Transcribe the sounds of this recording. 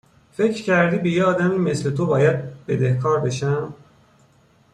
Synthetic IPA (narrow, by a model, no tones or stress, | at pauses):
fe̞cɾcʰæɾd̪iːbejeɒːd̪æmime̞sle̞t̪ʰobɒːjæd̪̚b̥e̞d̪ehkʰɒːɾbe̞ʃæm